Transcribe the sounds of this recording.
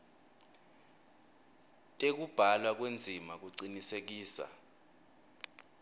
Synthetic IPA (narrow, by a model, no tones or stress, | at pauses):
tʼek̬ub̥ʱalwak̬wend͡zʱimak̬uǀinisek̬iːsa̰